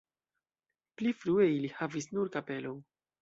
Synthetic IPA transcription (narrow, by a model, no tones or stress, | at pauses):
plifɾue̞ilihavisnuɾkape̞lo̞n